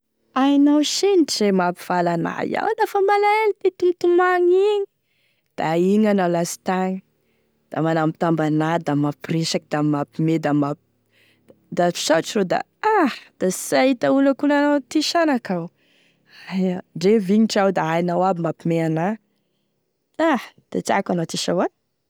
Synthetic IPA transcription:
ajnawʃeniʈ͡ʂzemapiv̥alana̰j̰a̰wlafəmalaelid̪et̪umt̪umaŋiɲi̥ | d̪̥aiɲanawlasi̥t̪aɲi | d̪̥amanamit̪ambanad̪amapireʃakid̪amapimed̪amap | d̪afi̥ʃaʈ͡ʂirod̪a̰ | ahd̪̥asait̪aulakunanat̪iʃanakaw | ajaɖ͡ʐeviɲiʈ͡ʂawd̪aajnawabimapimeana | ahd̪̥at͡sa̰kanat̪iʃawan

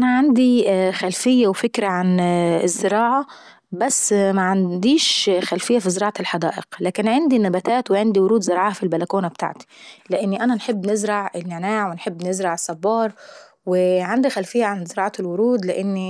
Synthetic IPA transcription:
ʔænæʕand̪ixælfɪjːæwfɪkɾaʕanɪzːɪɾɑːʕa | bæsːmæʕand̪iːʃxælfɪjːæfizɪɾˤɑːʕɑlħɑd̪æ̰ːʔɪ̰qlæːkɪnʕand̪inæbæt̪æːt̪wɪʕand̪iwʊɾuːd̪zɪɾɑːʕɑhfilbælækuːnabt̪a̰ʕt̪i̥lɪʔenːiʔænænħebːnɪzɾˤɑʕɪnːanaːʕweɪnħebːnɪzɾɑʕɪsːɑbːɑːɾˤ | wɪʕand̪ixælfɪjːaʕanzɪɾɑːʕɑlwʊɾuːd̪lɪʔɪnːi

